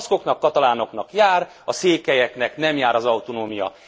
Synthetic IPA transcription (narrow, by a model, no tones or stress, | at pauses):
sko̞knɒkːɒt̪ɒlaːno̞knɒkjaːr | ɒseːkːɛjɛknɛknɛmjaːɾɒzɒwt̪onoːmijɒ̰